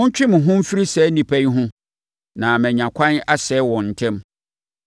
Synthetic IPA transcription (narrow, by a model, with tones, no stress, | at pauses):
ʊ̃˦ɲ̩˦t͡ɕᶣɪ˦mʊ̃˨ɦʊ̃˦m̩˦fi˦ɾi˦sɛ˨˦nĩ˨pʰæ˦ɲ˦ɦʊ̃˦ | nã˨mɛ̃˨ɲã˨kʷʰã˦na˦sɛ˨˦wɔ̃˨n̩˨tʰɛ̃˦m